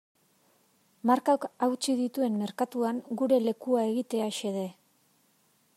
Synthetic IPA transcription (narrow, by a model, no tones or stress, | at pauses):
maɾkawkawt͡ʃiðit̪ue̞mme̞ɾkat̪uaŋɡuɾe̞le̞kuae̞ɣit̪e̞aʃe̞ðe̞